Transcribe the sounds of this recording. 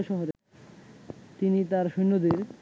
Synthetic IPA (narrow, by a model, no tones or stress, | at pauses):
ʃɔɦoɾe | t̪init̪aɾʃujnːod̪eɾ